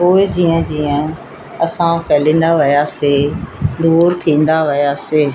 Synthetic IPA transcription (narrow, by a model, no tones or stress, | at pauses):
poːɪd͡ʑĩːə̃d͡ʑiːə̃ | ɐsãpɛːlĩːn̆d̪aʋɪjased̪uːɾt̪ʰĩːn̆d̪aʋɪjaseː